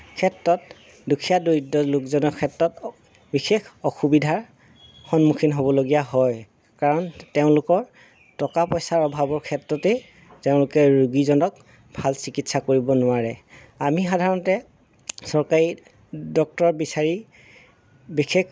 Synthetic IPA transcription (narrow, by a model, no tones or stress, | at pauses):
kʰɛtɹɔt̚ | dukʰijadodɔlukzɔnɔkʰɛtɹɔt | bixʰekʰɔxubidʱaɹ | xɔnmukʰinɦobɔloɡijaɦɔj | kaɹɔnteʊ̃lʊkɔɹ | tɔkapɔjsaɹɔbʱabɔɹkʰɛtɹɔtɛ | teʊ̃lʊkɛɹuɡizɔnɔk | bʱalsikitsakoɹibɔnʊaɹɛ | amixadʱaɹɔntɛ | sɔɹkaɹi | dɔk̚tɔɹbisaɹi | bixʰek